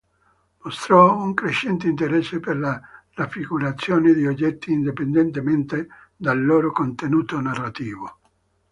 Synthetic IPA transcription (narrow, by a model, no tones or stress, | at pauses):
most̪ɾɔuŋkɾeʃːɛnt̪eint̪eɾɛsːeperlarafːiɡuɾat̪sːjoːned̪iod͡ʒːɛt̪ːiːnd̪ipend̪ent̪ement̪e | d̪alːoːɾokont̪enuːt̪onarːat̪iːvo